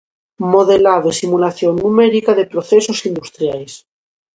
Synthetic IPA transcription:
moðelaðesimulaθjonːumeɾikaðepɾoθesosind̪ust̪ɾjajs

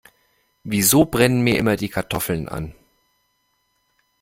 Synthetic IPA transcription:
vizoːbʁɛnənmiːɐʔɪmɐdiːkʰaɐtʰɔfl̩nʔa̰n

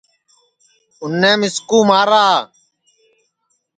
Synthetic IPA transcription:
ʊnːẽːmɪskuːmaːɾaː

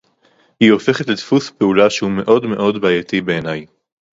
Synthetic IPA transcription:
hio̞fe̞χetletfuspe̞ulaʃehume̞ʔo̞dme̞ʔo̞dbaːjatibe̞ːnaj

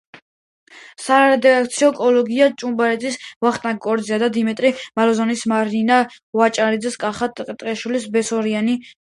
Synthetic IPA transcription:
saɾaɾɛd̪ɛak̚ʰt̪sʰiɔkʼɔlɔɡiat͡ʃʼumbaɾɛd̪zisvaχt̪ʼnaɡ̚ɔɾd̪ziad̪ad̪imɛt̪ʼɾimalɔzɔnismaɾnina | vat͡ʃʼaɾid̪zɛskʼaχat̪ʼqʼt̪ʼɾʼɛʃwilisbɛsɔɾiani

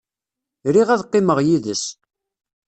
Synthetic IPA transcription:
ɾiʁæðqːɪməʁjiðəs

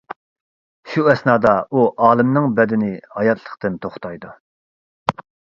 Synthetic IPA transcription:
ʃuɛsnɑːd̪ɑuʔɑːlˠɨmnɨŋbɛd̪ɪnɪhɑjɑt̪ʰlˠə̥χt̪ɨnt̪ʰoχt̪ʰɑjd̪u

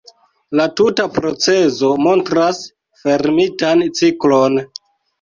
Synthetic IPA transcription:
latutapɾo̞t͡se̞zo̞mo̞ntɾas | fe̞ɾmitant͡siklo̞n

